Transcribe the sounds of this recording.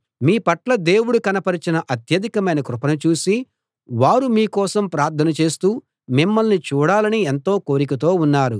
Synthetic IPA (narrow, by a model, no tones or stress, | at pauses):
miːpɐʈlɐd̪e̞ːwuɽukɐnɐpɐɾit͡ʃinɐʔɐt̪jɐd̪ʱikɐmɐjnɐkɾupɐnɐt͡ʃuːsi | ʋaːɾumiːkɔːsɐmpɾaːɾt̪ʰːɐnɐt͡ʃe̞ːst̪uː | mimːɐlnit͡ʃuːɽaːlɐnient̪o̞ːko̞ːɾik̬ɐt̪o̞ːunːaːɾu